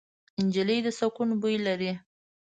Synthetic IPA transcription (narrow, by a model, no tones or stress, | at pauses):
ɪnd͡ʒiləjd̪əsakunbujlaɾi